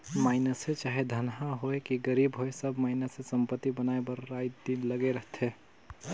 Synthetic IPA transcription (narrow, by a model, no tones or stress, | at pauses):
maːɪnəsẽt͡ʃaːɦed̪ʱənɦãɦoekiɡəɾiːbɦoesəbmaːɪnəsesəmpət̪ːibənaebəɾːaj̪d̪inləɡeɾəɦt̪ʰɦe